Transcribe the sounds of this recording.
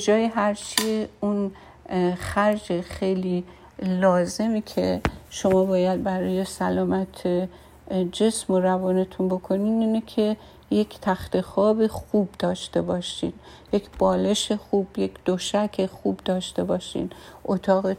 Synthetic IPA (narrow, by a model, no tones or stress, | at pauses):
ed͡ʒɒːjeɦæɾt͡ʃʰiun | xæɾd͡ʒexejliː | lɒːze̞miːcʰeʃo̞mɒːbɒːjæd̪̚bæɾɒːje̞sælɒːmæt̪ʰe | d͡ʒe̞smoɾævɒːnet̪ʰunbo̞kʰo̞niːniːnekʰe̞ | jecʰt̪ʰæxt̪exɒːbixuːb̚d̪̥ɒːʃt̪e̞bɒːʃḭːn | je̞cʰb̥ɒːle̞ʃexuːb̥je̞cʰd̪̥oʃækʰexuːbd̪ɒːʃt̪e̞bɒːʃḭːnʔot̪ʰɒːɣe